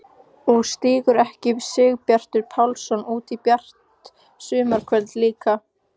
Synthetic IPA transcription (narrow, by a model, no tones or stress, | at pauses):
ɔɣst̪iːɣʏɾɛhcɪvsɪːɣpjar̥t̪ʏɾpʰawlsɔnuːt̪ipjar̥t̪ | sʏːmaɾ̥kʰvœlt̪liːka